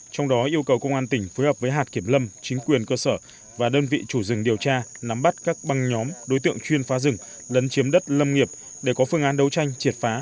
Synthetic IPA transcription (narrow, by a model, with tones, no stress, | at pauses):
t͡ɕɔ˧wŋ͡mɗɔ˨˦ʔi˧əwkə˨˩wkə˧wŋ͡mʔaː˧nt̪ï˧˩ŋ̟fo˨˦jhəː˨˩p̚vəː˨˦jɦaː˨˩t̚ki˧˩əmlə˧mt͡ɕï˨˦ŋ̟kwi˨˩ənkəː˧səː˧˩ | vaː˨˩ɗəː˧nvḭ˧˨t͡ɕu˧˩zɨ̰˨˩ŋɗi˨˩əwt͡ɕaː˧na˨˦mɓa˦˥t̚kaː˦˥k̚ɓa˧ŋɲɔ˨˦mɗo˨˦jt̪ɨ̰˧˨əŋt͡ɕwi˧ənfaː˨˦zɨ˨˩ŋ | lə˨˦nt͡ɕi˨˦əmɗə˦˥t̚lə˧mŋi˨˩əp̚ | ɗe˧˩kɔ˨˦fɨ˧ŋʔaː˨˦nɗə˨˦wt͡ɕa˧jŋ̟t͡ɕi˨˩t̚faː˨˦